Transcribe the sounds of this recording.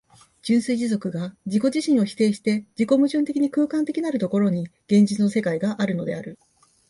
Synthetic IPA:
d͡ʑɨ̃ɰ̃sɨiʑizo̞kɯ̟ɡad͡ʑiko̞ʑiɕĩɰ̃o̞çi̥t̪e̞ːɕi̥t̪e̞d͡ʑiko̞mɯ̟ʑɨ̃nt̪ekʲiɲ̟ikɯ̟ːkãnt̪ekʲinaɾɯ̟t̪o̞ko̞ɾo̞ɲ̟iɡ̥ẽ̞ɲ̟d͡ʑit͡sɨno̞se̞kaiɡaʔaɾɯ̟no̞d̪e̞̰aɾɯ̟

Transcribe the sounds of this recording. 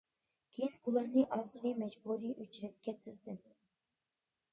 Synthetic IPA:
kʲʰejinulˠɑɾnɨʔɑχɨlˠimɛd͡ʒbuɾiʔyt͡ʃɾɛt̪̚kʲɛt̪ʰɪzd̪ɪm

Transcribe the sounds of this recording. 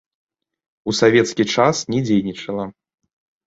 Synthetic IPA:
usavʲɛt̪skʲit͡ʂasnʲɛd͡zʲejnʲit͡ʂɐlˠɐ

